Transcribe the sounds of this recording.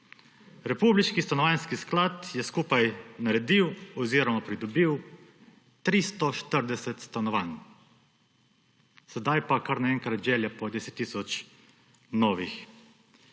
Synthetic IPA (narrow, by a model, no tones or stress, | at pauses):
ɾɛpubliʃkist̪anɔʋanskisklat̪jɛskuːpajnaɾɛd̪iwɔziːɾɔmapɾid̪ɔbiw | t̪ɾist̪ɔʃt̪əɾd̪ɛsɛt̪st̪anɔʋan | sɛd̪ajpakaɾnaɛŋkɾat̪ʒɛːljapɔd̪ɛsɛt̪ːisɔt͡ʃ | nɔːʋix